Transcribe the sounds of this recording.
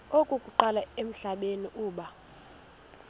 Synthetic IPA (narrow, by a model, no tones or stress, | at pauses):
okʼukʼuǃalaem̩ɬaɓeniʔuːɓa